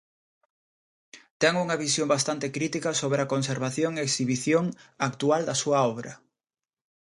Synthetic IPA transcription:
t̪ɛŋuŋɐβisjombast̪ant̪ekɾit̪ikɐsoβɾeakonseɾβaθjoŋeːksiβiθjoŋakt̪uald̪ɐsuɐɔβɾɐ

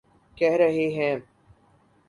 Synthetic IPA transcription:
kɛɦɾɐɦeɦɛ̃

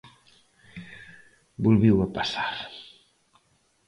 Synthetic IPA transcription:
bulˠβiwapasaɾ

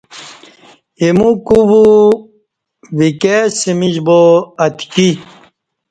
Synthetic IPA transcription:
imukubu | ʋikesimid͡ʑboɐt̪ʰki

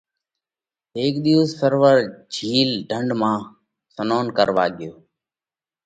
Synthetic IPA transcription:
ɦeːkɗ̪iʋzsəɾʋəɾd͡ʒʱiːlɖʱəɳɖmãː | sənoːnkəɾʋa̰ːɠɪjoː

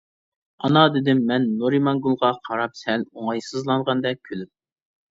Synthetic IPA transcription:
ɑnɑd̪ɪd̪ɪmːɛnːoɾimɑnɡulˠʁɑqʰɑɾɑp̚sɛloŋɑjsɨzlˠɑɴʁɑnd̪ɛkʲʰølyp̚

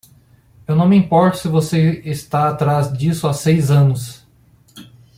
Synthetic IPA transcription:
ewnɐ̃w̃mĩpɔɾt̪ʊ̥sɪvoseɪst̪aat̪ɾazd͡ʒisʊasejzɐ̃nʊs

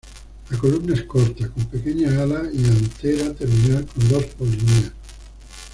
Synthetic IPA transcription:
lakolumnaeskɔɾt̪akompekeɲaalaiant̪eɾat̪eɾminaɾkond̪ospolineas

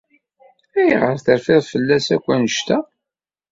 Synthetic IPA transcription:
æjʁəɾθəɾfɪðfəlːæsækʷːænəʃt̪æ

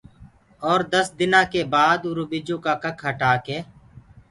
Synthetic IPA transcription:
ɔːɾd̪əsd̪ɪnãːkeːbaːd̪ʊɾubɪd͡ʒõːkaːkəkʰɦəʈaːkeː

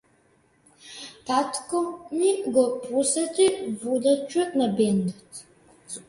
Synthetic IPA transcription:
tʰaːtʰkʷʰʼɔniɡɔpʰʼusɐtʰʼivudɐt͡ʃʰʊnɐbeːndɐtʰ

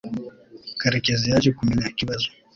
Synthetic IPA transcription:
kaɾikɛzijat͡ʃikuminakiβazu

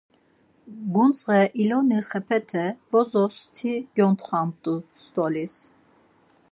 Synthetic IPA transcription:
ɡunt͡sʁɛʔilɔniχɛpʰɛt̪ʰɛb̥ɔzɔst̪ʰiɡjɔnt̪χam̚t̪ʼust̪ʼɔlis

